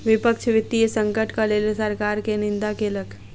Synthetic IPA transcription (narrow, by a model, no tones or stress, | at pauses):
ʋɪpəkʃʰʋɪt̪ːiesə̃ŋkəʈkaleːlsəɾkaːɾkenɪ̃nd̪akeləkʰ